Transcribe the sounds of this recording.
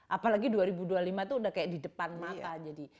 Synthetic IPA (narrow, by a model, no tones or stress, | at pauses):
ʔapalaɡiduaɾibudualimat̪uːdahkajaʔdidəpanmat̪ad͡ʒadi